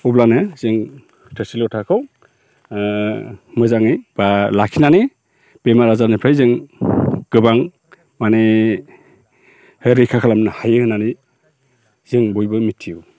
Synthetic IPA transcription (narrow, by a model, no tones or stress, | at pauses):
ublanɯzɯŋ | tʰəsilɔtʰakʰɯw | mɯzaŋɯjb̥alakʰinani | b̥emaɾazanepʰajzɯŋ | ɡ̥ɯbaŋ | mane | hɯɾikʰakʰalamnɯhajɯhɯnani | z̥iŋbɔjbɯmitʰːiu